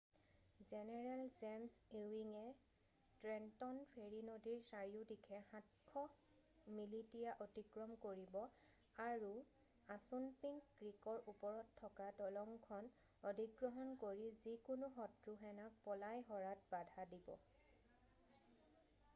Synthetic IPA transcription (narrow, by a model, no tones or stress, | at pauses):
zɛnɛɹɛlzɛmsewiŋɛ | tɹɛntɔnpʰeɹinodiɹsaɹiʊdikʰɛxãt̚kʰːɔ | militijaʔɔtikɹɔmkoɹibɔ | aɹu | asunpiŋkːɹikɔɹupɔɹɔtʰːɔkadɔlɔŋkʰɔn | ɔdʱiɡɹɔɦɔnkoɹizikʊnʊɦɔtɹuɦɛnak̚pɔlajɦɔɹat̚badʱadibɔ̰